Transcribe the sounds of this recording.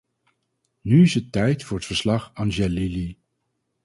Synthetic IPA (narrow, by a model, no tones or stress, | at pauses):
nyɪsətːɛjtfʊːɹətfəɹslɑχɑnʒɛlili